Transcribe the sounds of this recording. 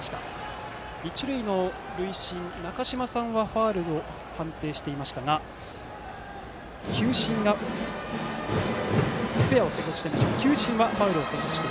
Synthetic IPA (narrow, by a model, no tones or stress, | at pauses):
ɕi̥t̪a̰ | it͡ɕiɾɯ̟ino̞ | ɾɯ̟iɕĩnnakaɕimasãɰ̃βaɸaːɾɯ̟o̞ | hãnt̪e̞ːɕi̥t̪e̞imaɕi̥t̪aɡa | kʲʰɨːɕĩŋɡa | ɸe̞ao̞sẽ̞ŋkʲːokɯ̟ɕi̥teimaɕit̪aɡakʲɨːɕĩɰ̃βaɸaːɾɯ̟o̞sẽ̞ŋkʲo̞kɯ̟ɕi̥t̪e